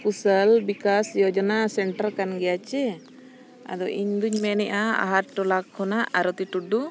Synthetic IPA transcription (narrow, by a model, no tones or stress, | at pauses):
pusəlbikasjɔd͡ʒɔnasɛɳʈəɾkanɡɛjat͡ʃɛ | a̰d̪ɔʔiɲd̪uɲmɛnɛʔaa̰ɦaɾʈɔlakʰːɔnaʔʔaɾɔt̪iʈuɖu